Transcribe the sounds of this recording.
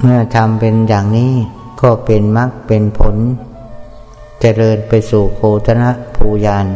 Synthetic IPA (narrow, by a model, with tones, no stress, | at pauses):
mɯ˥˩ɐt̪ʰa˧mpe˧njaː˨˩ŋniː˦˥ | kɔː˥˩pe˧nma˦˥k̚pe˧npʰo˨˦n | t͡ɕa˧ɾɤː˧npa˧jsuː˨˩kʰoː˧t̪ʰa˧na˦˥ʔpʰuː˧jaː˧n